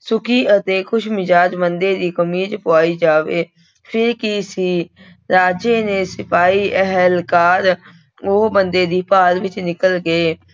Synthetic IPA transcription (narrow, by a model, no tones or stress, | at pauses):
sʊkʰiːʔət̪eːkʰʊʃmɪd͡ʒaːd͡ʒbənd̪eːd̪iːkəmiːd͡ʒpʊaːiːd͡ʒaːʋeː | pʰɪɾkisiː | ɾaːd͡ʒeːneːsɪpʰaːiːʔɛɦɛlkaːɾ | oːbənd̪eːd̪iːpaːɾʋɪt͡ʃnɪkəlɡəeː